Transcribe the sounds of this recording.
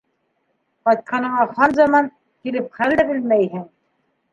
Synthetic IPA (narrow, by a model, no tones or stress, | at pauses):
qɑt̪̚qʰɑnɤ̆ɴɑχɑnzɑmɑn | kilɘp̚χæld̪ɘbɘ̆lmæjɦɘŋ